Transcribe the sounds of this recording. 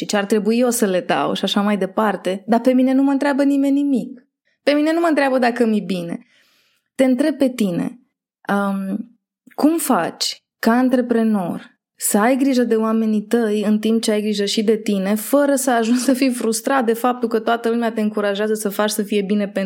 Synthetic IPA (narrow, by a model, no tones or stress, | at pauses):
ʃit͡ʃeart̪ɾe̞buijosəle̞d̪a̰wʃiaʃamajd̪e̞part̪e̞d̪ape̞mine̞numəɨnt̪ɾeabənime̞nːimik̚ | pe̞mine̞numənt̪ɾʲeabəd̪akəmibine̞̰ | t̪e̞ɨnt̪ɾe̞b̚pe̞t̪ine̞̰ | ə | kumfat͡ʃʲ | kaɨnt̪ɾe̞pɾe̞no̞rʲ | səajɡɾiʒəd̪e̞oame̞nit̪əjɨnt̪imp̚t͡ʃeajɡɾiʒəʃid̪e̞t̪ine̞fəɾəsəaʒunsəfijfɾust̪ɾat̪̚d̪e̞fap̚t̪ulkət̪oat̪əlumeat̪e̞ɨŋkuɾaʒeazəsəfat͡ʃsəfije̞bine̞pe